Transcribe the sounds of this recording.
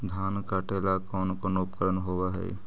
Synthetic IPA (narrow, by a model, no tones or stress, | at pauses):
d̪ʱaːnkaːʈeːlakɔːnkonoːp̚kəɾənɦoːwaɦɛ̰ː